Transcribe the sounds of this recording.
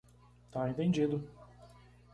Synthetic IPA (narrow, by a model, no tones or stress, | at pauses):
t̪aẽnt̪ẽnd͡ʒid̪ʊ